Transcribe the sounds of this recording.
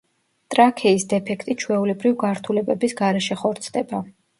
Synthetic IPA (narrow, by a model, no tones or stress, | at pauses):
t̪ʼɾakʰɛisd̪ɛpʰɛkʰt̪ʼit͡ʃʰwɛulɛbɾivɡaɾt̪ʰulɛbɛbisɡaɾɛʃɛχɔɾt̪sʰd̪ɛba